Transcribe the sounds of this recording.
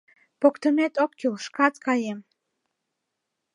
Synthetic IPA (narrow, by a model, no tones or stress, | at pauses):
pokt̪əmet̪okːilʃkɑt̪kɑjem